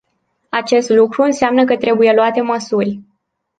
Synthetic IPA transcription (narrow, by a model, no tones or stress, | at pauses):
at͡ʃe̞st̪lukɾuɨnseamnəkət̪ɾe̞buje̞luat̪e̞məsurʲ